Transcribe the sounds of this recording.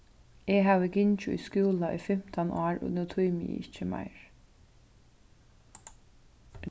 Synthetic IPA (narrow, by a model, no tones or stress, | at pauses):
eːɦɑːʋəɡɪnt͡ʃʊʔḭːskʉːlɑʔiːfɛmt̪ʰɑnɑːɹʊ̰nət̪ʰuːmḭɪ̰çəmæ̰ɪɹ